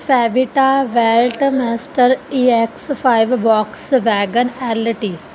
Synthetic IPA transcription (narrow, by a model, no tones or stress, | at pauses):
fɛːbiʈaʋɛlʈmɛsʈəɾieksfaɪʋbɔːksʋɛːɡənɛːlʈi